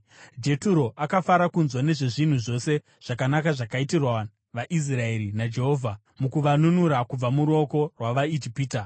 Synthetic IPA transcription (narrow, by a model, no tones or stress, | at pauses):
d͡ʒe̞tuɾo̞ʔakafaɾakunzwane̞ʐe̞ʐin̤uʐo̞se̞ | ʐ̥akanakaʐakaitirwa | ʋaʔis̬rae̞ɾinad͡ʒe̞ɦo̞ːvʱa | mukuʋanunuɾakub͡vamuɾo̞ko̞rwaʋaid͡ʒipiːta